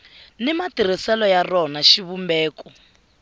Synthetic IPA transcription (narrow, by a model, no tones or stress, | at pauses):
nɛmatiɾ̤isɛlɔjarɔnaʃiβumbɛːkɔ